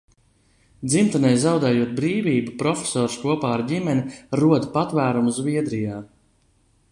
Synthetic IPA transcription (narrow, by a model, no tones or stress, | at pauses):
d̪zimt̪anɛjzawd̪ɛːjuɔt̪̚bɾiːviːbupɾɔfʲe̥sɔːɾskuɔpaːaɾɟimɛnʲiɾuɔd̪pat̪væːɾumuzviɛd̪ɾijaː